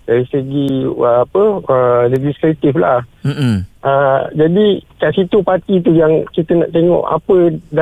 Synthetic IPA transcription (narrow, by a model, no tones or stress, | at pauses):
daɾisəɡiəːpəəled͡ʒist̪ɾet̪ifla̰h̩ | ʔəd͡ʒadikaʔsit̪upat̪it̪ujaŋkit̪əna̰ʔt̪eŋɔ̰ʔa̰pəda